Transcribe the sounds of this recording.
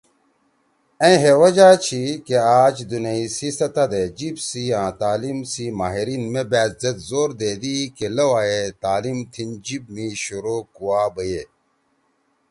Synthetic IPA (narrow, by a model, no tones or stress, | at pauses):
ẽɦewɐd͡ʑaːt͡ɕʰikeaːt͡ɕd̪unɐisisɐt̪ɐd̪ed͡ʑibsiãːt̪aːlimsimaːɦiɾiːnmebaːt̪zɐt̪zoːɾd̪eːd̪ikelɐwaːjet̪aːlimt̪ʰind͡ʑib̚miɕuɾoːkuwaːbəje